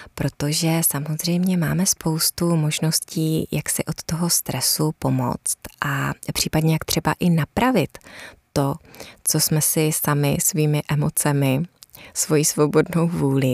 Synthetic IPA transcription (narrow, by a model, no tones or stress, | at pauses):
pɾo̞t̪o̞ʒɛsamo̞zr̝ɛjmɲɛmaːmɛspʰo̞wst̪umo̞ʒno̞sciːjaksɪʔo̞t̪ːo̞ɦo̞st̪ɾɛsupo̞mo̞̰t͡st̪ʔapr̝̥iːpadɲɛjakt̪r̝̥ɛba̰ʔɪnapɾavɪt̪ː | o̞t͡so̞smɛsɪsamɪsviːmɪʔɛmo̞t͡sɛmɪsvo̞jisvo̞bo̞dno̞wvuːlɪ